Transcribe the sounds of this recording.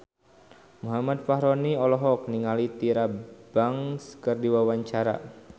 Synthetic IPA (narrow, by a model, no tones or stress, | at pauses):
muɦamat̪̚faɦɾɔniɔlɔɦɔk̚niŋalit̪iɾab̥aŋskərdiwawaɲt͡ʃaɾa̰